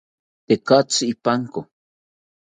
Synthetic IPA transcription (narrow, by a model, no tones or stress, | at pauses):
t̪ekat͡siipaŋko